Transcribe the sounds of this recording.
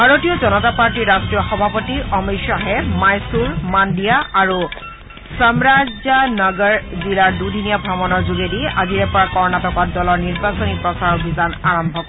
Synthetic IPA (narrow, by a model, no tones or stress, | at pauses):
bʱaɹotijɔzɔnɔtapaɹtiɹːastɹijɔxɔbʱapɔtiɔmiʃaɦɛmajsuɹmandijaaɹu | samɹazanɔɡɔɹzilaɹdudʱinijabʱɔmɔnɔɹzuɡediaɡiɹɛpɔɹakɔɹɔnatɔkat̚dɔlɔɹniɹbasɔnipɹɔsaɹobʱizanaɹɔmbʱɔkɔ